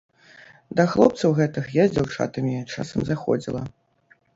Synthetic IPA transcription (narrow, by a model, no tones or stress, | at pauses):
d̪ɐxlˠɔp̚t̪sɐwɣɛt̪ɨxjazʲd͡zʲawt͡ʂa̰t̪ɐmʲit͡ʂa̰sɐmzaxɔ̰d͡zʲilˠɐ̰